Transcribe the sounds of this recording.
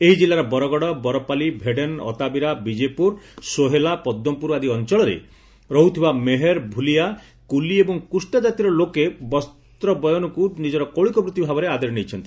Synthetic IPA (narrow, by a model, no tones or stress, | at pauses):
eɦid͡ʒilːaɾɔbɔɾɔɡɔɽɔbɔɾɔpalibʱeɖenɔ̰t̪abiɾabid͡ʒepuɾsoɦelapɔd̪ːɔmpuɾad̪iɔnt͡ʃɔɭɔɾḛ | ɾɔɦut̪ʰibameɦeɾbʱulija | kuliebɔŋkusʈad͡ʒat̪iɾɔlokebɔsttt̪ɾɔbɔjɔnɔkunid͡ʒɔɾɔkoɭikɔbɾut̪ːibʱabɔɾead̪eɾɔnejt͡ʃʰɔnt̪i